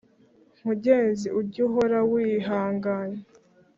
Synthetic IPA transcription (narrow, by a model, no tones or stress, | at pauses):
m̥uɟe̞ːnziuɟuɦoɾawiɦaːŋɡaːɲe